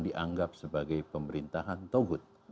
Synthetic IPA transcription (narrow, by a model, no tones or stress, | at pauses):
diʔaŋɡap̚səbaɡajpəməɾint̪aɦant̪oɡʊt̪̚